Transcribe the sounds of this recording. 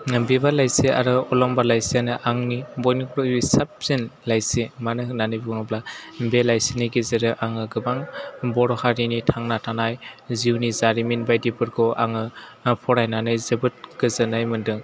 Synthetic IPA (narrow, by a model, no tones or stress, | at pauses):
bibalajsia̰ɾɯɔlɔmbalajsijanɯʔaŋnibɔjnikɾɔbisap̚z̥enlajsimanɯnanɯjbuŋɯblabelajsiniɡizeɾɯʔaŋɯɡɯbaŋbɔɾɔhaɾinitʰaŋnatʰanajziwnizaɾiminbajdibɯɾɡɔʔaŋɯpʰɔɾajnanɯjzɯbɯt̚ɡɯzɯnajmɯndɯŋ